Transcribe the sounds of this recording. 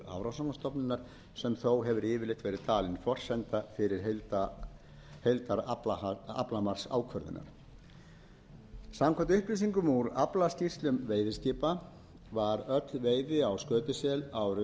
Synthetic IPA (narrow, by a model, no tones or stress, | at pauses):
a̰vɾawsaŋast̪ɔpnɪnːaɾ̥ | sɛmθowɦɛvʏɾɪːvɪlɪht̪vɛːɾɪt̪aːlɪnfɔr̥sɛnt̪afɪɾɪɾ̥ɦ̪t̪a | hejlt̪aɾla̰plamar̥sa̰ːwkʰvœɾðɪ̰na̰ɾ̥ | samkʰɛnt̪ʏhplisiŋkʏmuɾaplascir̥t̪lʏmveːjðɪscɪːpa | vaɾœt̪lveːjðɪawskœːt̪ɪsɛlawɾ